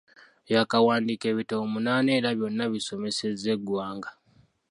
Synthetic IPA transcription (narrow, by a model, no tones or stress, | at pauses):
jakawaːndiːke̞ːβitoːmunaːne̞ːɾaβjo̞nːaβiso̞me̞seze̞ɡwaːŋɡa